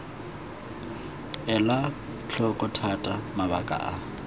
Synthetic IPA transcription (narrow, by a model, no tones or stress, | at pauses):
ɛla | t͡ɬʰɔkʼʊtʰatʼamaβakʼa̰ʔa